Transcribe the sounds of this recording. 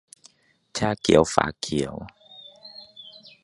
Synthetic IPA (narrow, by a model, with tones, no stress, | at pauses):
t̪ʰja˦kji˨˦wfa̰˨˧˦kʰi˨˦w